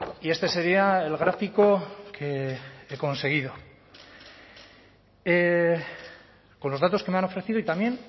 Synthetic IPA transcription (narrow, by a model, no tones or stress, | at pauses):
ie̞st̪e̞se̞ɾiaelɣ̞ɾafiko̞kʰe̞eko̞nse̞ɣ̞ið̞o | e | ko̞nlozðat̪o̞ske̞meano̞fɾe̞θiðoit̪amje̞n